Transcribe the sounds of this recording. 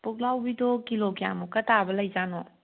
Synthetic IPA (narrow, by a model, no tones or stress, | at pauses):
puk̚lawbidɔkiloɡja̰mukɐtʰabɐlɐjd͡ʒanɔ